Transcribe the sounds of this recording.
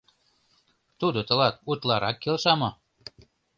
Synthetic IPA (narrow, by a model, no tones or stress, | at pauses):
t̪ud̪ɤ̆t̪ɤ̆lɑt̪̚ut̪lˠɑɾʔɑkːelʃɑmɤ